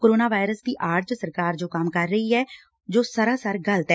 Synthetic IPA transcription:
koːɾoːnaːʋaːɪɾəsd̪iːʔaːɾd͡ʒsəɾkaːɾd͡ʒoːkɐmkəɾːəɦiɦɛː | d͡ʒoːsəɾaːsəɾɡəlt̪ɛ

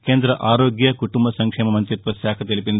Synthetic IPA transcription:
keːnd̪ɾɐʔaːɾoːɡjɐkuʈumbɐsɐŋkʂeːmɐmɐɲt͡ʃit̪ʋɐsjaːkʰɐt̪ilipind̪

